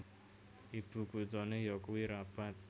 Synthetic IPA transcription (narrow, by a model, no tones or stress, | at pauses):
ipukud͡zɔnejɔkwiɾapat̪̚